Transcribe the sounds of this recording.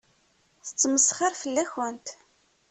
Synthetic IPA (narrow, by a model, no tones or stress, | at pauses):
θə̥t͡sːməsχɑɾfəlːæçənt̪